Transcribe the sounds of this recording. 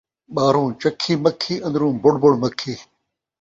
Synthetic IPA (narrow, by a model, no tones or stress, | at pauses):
ɓaːɾũːt͡ɕɐkʰːiːmɐkʰːiːʔɐ̃nd̪ɾũːboɽboɽmɐkʰːiː